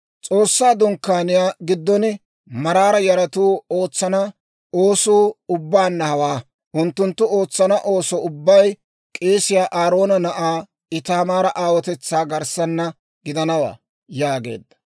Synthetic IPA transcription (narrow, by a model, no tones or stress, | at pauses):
t͡sʼo̞ːsːaːd̪ʊŋkːaːnɪjaːɡɪd̪ːɔnɪ | mɐɾaːɾɐjɐɾɐt̪uːo̞ːt͡sːɐnɐ | o̞ːsuːʊbːaːnːɐhɐwaː | ʔʊnt̪ːʊnt̪ːʊoːt͡sːɐnɐʔo̞ːsɔʊbːɐj | kʼe̞ːsɪjaːʔaːɾo̞ːnɐnɐʔaː | ɪt̪aːmaːɾɐʔaːwɔt̪ɛt͡sːaːɡɐɾsɐnːɐ | ɡɪd̪ɐnɐwa̰ː | jaːɡe̞̰ːd̪ːɐ̥